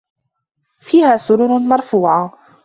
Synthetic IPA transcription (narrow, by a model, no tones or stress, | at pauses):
fiːhaːsʊɾʊnmɑɾˤfuːʕa